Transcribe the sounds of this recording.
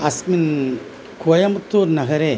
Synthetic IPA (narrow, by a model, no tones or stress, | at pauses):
ɐsmin | kuɐjɐmut̪ːuːɾnɐɣɐɾeː